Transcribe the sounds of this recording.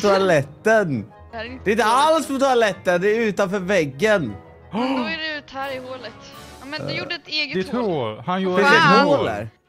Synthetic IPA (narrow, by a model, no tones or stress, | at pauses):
t̪ʰʊalɛt̪ːən | d̪ɛɪnt̪əalspɔt̪ʰʊalɛt̪ːənd̪ɛɾʉ̟ːt̪anfœːɾvɛɡːən | dɛʉt̪hæɾɪhoːlət̪ | mɛjuɖəɛt̪eːɡd̪t̪ʰɾuɾhanjuːɪɛɦoːlæ̰ɾ